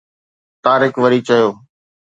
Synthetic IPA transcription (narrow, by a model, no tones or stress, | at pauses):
t̪aːɾɪkʋəɾiːt͡ʃəjoː